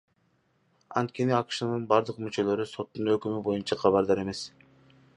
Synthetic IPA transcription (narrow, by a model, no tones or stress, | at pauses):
ɑ̰nt̪̚kʲʰe̞niɑkɯ̥ʃɯnɯnbɑɾd̪ɯqmyt͡ʃø̞lø̞ɾyso̞t̪ːunøkʲymybo̞junt͡ʃʰɑqʰɑβɑɾd̪ɑɾe̞me̞s